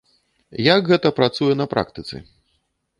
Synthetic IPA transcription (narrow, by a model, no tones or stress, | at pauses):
jaɡɣɛt̪ɐpɾat̪sujɛnɐpɾa̰k̚t̪ɨt̪sɨ̰